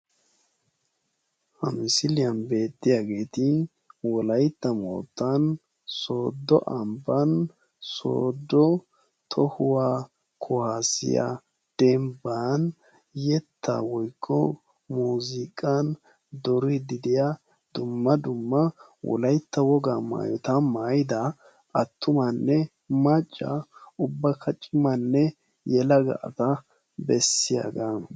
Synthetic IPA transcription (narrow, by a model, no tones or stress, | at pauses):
hɐmɪsɪlɪjɐnbe̞ːt̪ːɪjaɡe̞ːt̪ɪ | wɔlɐjt̪ːɐmo̰ːt̪ːɐn | soːd̪ːɔʔɐmbɐn | so̰ːd̪ːɔ | t̪ʰɔhʊwaː | kʰʊhasɪ̰ja̰ | d̪̥ɛmban | jɛt̪ʰːa̰wɔjkʰːɔ | muːzɪkʼɐn | d̪ɔɾɪd̪ɪd̪ɪja | d̪̥ʊmːɐd̪ʊmːɐ | wɔ̰lɐjt̪ːɐwɔɡama̰ːjɔt̪ɐmaːjɪd̪ɐ | ɐt̪ːʊmɐnːɛ | mɐt͡ʃʼːa̰ʊbːɐkʰːɐt͡ʃʼːɪmɐnːɛ | jɛlɐɡɐ̰ʔɐ̰t̪ɐ | bɛsːɪja̰ɡa